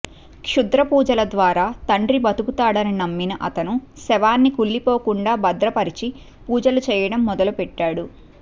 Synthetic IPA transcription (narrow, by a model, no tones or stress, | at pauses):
kʂud̪ɾɐpuːd͡ʒɐlɐd̪ʋaːɾaːt̪ɐɳɖɾibɐt̪ukut̪aːɽɐninɐmːinɐʔɐt̪ɐnusɛʋaːnːikuɭːipoːkuɳɖaːbɐd̪ɾɐpɐɾit͡ʃi | puːd͡ʒɐlut͡ʃɛːjɐɽɐmːɔd̪ɐlupɛʈːaːɽu